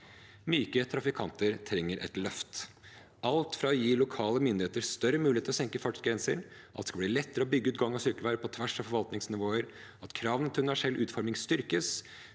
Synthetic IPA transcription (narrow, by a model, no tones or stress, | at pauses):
myːkət̪ʰɾɑfɪkʰɑnt̪əɾt̪ʰɾɛŋːəɾʔɛ̰t̪lœft̪ | ɑlt̪fɾɑɔjiːlʊkʰɑːləmʏnd̪ɪheːt̪əɾst̪œɾəmʉːlɪeːt̪lɔsɛŋkəfɑʈɡɾɛnsə̰ɾʔɑ̰t̪d̪skɑlb̪iːlɛt̪ːəɾəɔbʏɡːəʉːt̪ɡɑŋːɑsʏɾkəʋæːɾəpʰɔt̪ʰʋæʂɑfɔɾʋɑlt̪nɪŋsnɪʋoːəɾ | ɑt̪kʰɾɑːʋnət̪ʰʉnʋæʂɛlʔʉːt̪fɔɾmɪŋst̪ʏɾkəs